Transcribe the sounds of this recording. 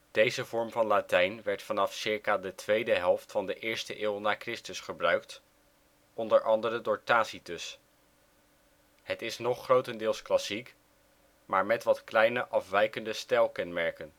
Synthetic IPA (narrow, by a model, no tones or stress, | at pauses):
d̥ejzəvɔɹmvɑnlatɛjnʋɛɹtfɑnɑfsɪɹkaːdətʋejdəɦɛlˠftfɑndəʔɪːɹstəʔɪːlˠnaːkrɪstəsχəbrœɥkt | ɔndəɹʔɑndəɾədʊːɹtaːsitɵs | hətɪsnɔχːrowtəndɪːlˠsklɑsik | maːɹmɛtʋɑtklɛjnəʔɑfʋɛjkəndəstɛlˠkɛnmɛɹkən